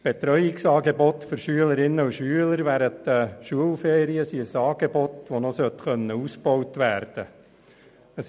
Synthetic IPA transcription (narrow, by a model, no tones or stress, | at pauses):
b̥et̪ɾœʏɪksɑːɡebɔtfʏɾʃyələɾɪnːəuʃyələɾʋæːɾəntd̪̥əʃuəlfeːɾiəsiəsɑːɡ̥ebɔt̪ʋonosœt̪xœnːəusb̥ɔwtʋæːɾd̥̪ə | əs